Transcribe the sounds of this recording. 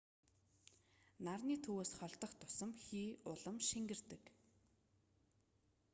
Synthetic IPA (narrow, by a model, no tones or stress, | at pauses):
narniːt̪ʰuweːsχɔɬt̪ə̆χt̪ʰʊ̥sə̆mxiːʊɮə̆mʃiŋɡɘ̆rt̪ɘ̆k